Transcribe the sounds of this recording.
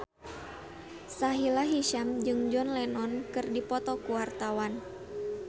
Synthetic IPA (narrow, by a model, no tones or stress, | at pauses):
saɦilaɦiʃamd͡ʒɨŋd͡ʒɔnlɛnɔnkɨrdipɔt̪ɔkuwart̪awan